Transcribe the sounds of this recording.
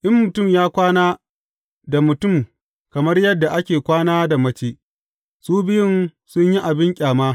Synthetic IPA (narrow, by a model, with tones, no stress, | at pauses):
ʔɪ˦mːʊ˨tʊ˦˨mjaː˦kʷaː˦naː˦ | da˨mʊ˨tʊ˦˨m | kɐ˨mɐ˦rjɐ˦dːa˨ʔa˦kʲeː˨kʷaː˦naː˦da˨mɐ˦t͡ʃeː˨ | suː˦bɪ˦jɪ˦nsʊ˦ɲji˦ʔa˨bɪ˦ŋkʲʼaː˨maː˦